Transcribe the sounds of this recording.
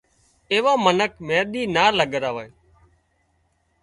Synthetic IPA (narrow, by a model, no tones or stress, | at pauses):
eːʋaːmənəkmeːɗ̪iːnaːləɠɾaːʋaːe